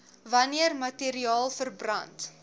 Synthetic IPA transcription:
vɐniərmɐtiɾiɑːlˠfərbrɐnt

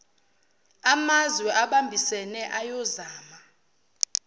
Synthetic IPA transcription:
amazwɛʔaɓambʱisɛnɛʔajɔzaːma

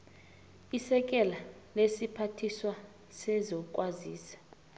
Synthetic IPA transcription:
isɛk̬ʼɛla | lesipʰatʰiswa | sɛzɔkʼwaziːsḁ

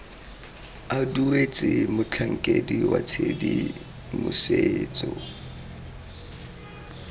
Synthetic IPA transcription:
aduet͡sʼɪmʊt͡ɬʰaŋ̩kʼediwat͡sʰedi | mʊseːt͡sʼɔ

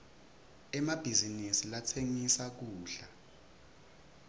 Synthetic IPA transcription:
ɛmab̥ʱizinisilatʰeŋisak̬uːɬa

